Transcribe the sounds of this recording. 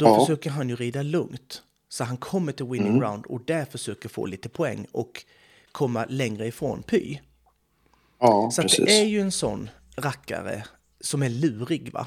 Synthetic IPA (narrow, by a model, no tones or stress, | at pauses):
d̪̥ɔfœʂøːkəɾɦanjɵɾiːd̪alɵŋt̪ | sɔt̪ɦankʰɔmːəʈɪlwɪnɪŋɾaʊnd̪ɔ̰d̪æɾfœʂøːkəɾfo̰ːliːt̪əpʰɔɛ̰ŋːɔkʰː | ɔmːalɛŋɾəɪfɾo̰ːnpʰy̰ː | sɔatd̪ɛ̰ːʔæɾjɵɛnsɔ̰nː | ɾakːa̰ɾə̰ | sɔmæɭʉ̟ːɾɪɡva̰